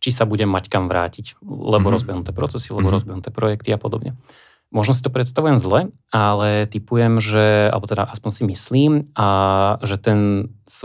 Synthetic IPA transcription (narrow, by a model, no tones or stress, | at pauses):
t͡ʃisabuɟɛmːackamʋɾa̰ːciclɛbɔɾɔzbjɛɦnut̪ɛːpɾɔtt͡sɛsilɛbɔɾɔzbɛɦnut̪ɛːpɾɔjɛkt̪iapɔd̪ɔbɲɛ | mɔʒnɔs̬i̥t̪ɔpɾɛt̪st̪aʋujɛmzlɛ | alɛt̪ipujɛmʒɛa̰lɛbɔt̪ɛd̪aʔaspɔnsimisliːmaʒɛt̪ɛns